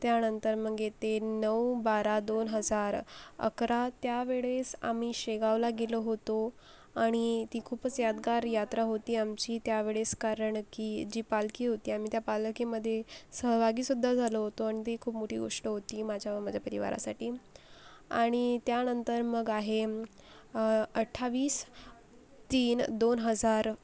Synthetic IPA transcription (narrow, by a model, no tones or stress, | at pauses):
t̪janənt̪əɾməɡet̪enəwbaɾad̪onɦəd͡zaɾə̰kɾat̪jaʋeɭesa̰miːɕeɡaʋlaɡeloɦot̪o | aɽ̃it̪iːkʰuːpət͡sjad̪ɡaɾjat̪ɾaɦot̪iːamt͡ɕiːt̪jaʋeɭeskaɾəɳkiːd͡ʑiːpalkiːɦot̪iːam̤it̪japalkiməd̪ʱːjesəɦbʱaɡiːsud̪ʱːad͡zʱaloɦot̪oaɽ̃it̪̬ekʰuːpmoʈʰiːɡo̰ʂʈəɦot̪iːmad͡ʑʱjamad͡ʑʱjapəɾiʋa̰ɾa̰saʈiː | a̰ɽ̃it̪janənt̪əɾməɡaɦe | əʈʰːaʋiːs | t̪iːnd̪onɦəd͡zaɾ